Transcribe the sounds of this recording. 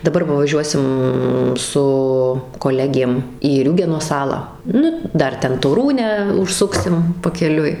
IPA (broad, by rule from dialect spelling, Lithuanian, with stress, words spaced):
dɐˈbɐr ʋɐ ʋɐˈʒʲuɔsʲɪm sʊ koːˈlʲæːɡʲeːm iː ˈrʲuːɡʲɛnoː ˈsɑːlˠɑː ˈnʊ ˈdɐr ˈtʲɛn toːˈruːnʲæː ʊʃˈsʊksʲɪm pɐkʲɛˈlʲʊɪ